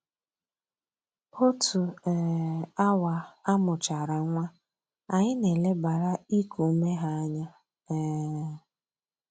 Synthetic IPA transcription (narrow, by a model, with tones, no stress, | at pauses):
o˦tʰu˨ | a˦wa˨a˦mʊ˨t͡ʃa˨ɾa˨ŋʷa˦ | a˨ɲɪ˦ne˨le˦ba˨ɾa˦i˦ku˨˦me˦ɦa˦ɲa˦